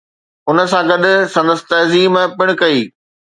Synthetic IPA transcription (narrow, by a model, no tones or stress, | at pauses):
ʊnə̆s̬ãɡɐɗsɐ̃nd̪əsɪ̥t̪ɐɦziːmpɪɽ̃kɐiː